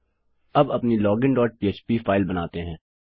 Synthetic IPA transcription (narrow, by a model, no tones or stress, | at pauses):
ɐbɐpnilɔːɡɪ̃ɳɖɔːʈ̚piːeːt͡ʃpifaːɪlbɐnaːt̪eɦɛ̃ː